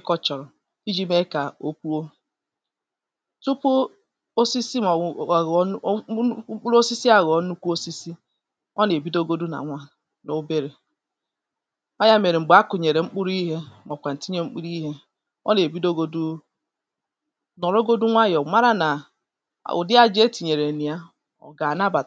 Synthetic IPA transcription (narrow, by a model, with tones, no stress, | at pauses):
kɔ˦t͡ʃɔ˨ɾɔ˨ | i˦d͡ʒi˦me˦ka˨o˦ku˦o˦ | tu˦pu˦ | o˦si˦si˦˨˦ | ŋ͡m̩˦k͡pu˦ɾo˦si˦si˦a˦ɣɔ˨˦nu˦ku˦o˦si˦si˦ | ɔ˦ne˨bi˦do˦ɡo˦du˦na̰˨ŋʷa˦ | no˦be˦ɾe˨ | ɔ˦ja˦˨me˨ɾe˨ŋ͡m̩˨ba˦kʊ˨ɲe˨ɾe˨ŋ͡m̩˦k͡pu˦ɾi˦ɦe˦mɔ˨kʷa˨n̩˨ti˦ɲ˦e˦ŋ͡m̩˦k͡pu˦ɾi˦ɦe˦ | ɔ̰˦ne˨bi˦do˦ɡo˦du˦ | nɔ˨ɾo˦ɡo˦du˦ŋʷa˦jɔ˨ma˦ɾa˦na̰˨ | ʔʊ̰˨dɪ˦a˦d͡ʒe˦ti˨ɲe˨ɾe˨ni˨a˦ | ɔ̰˨ɡa˨na˦ba˨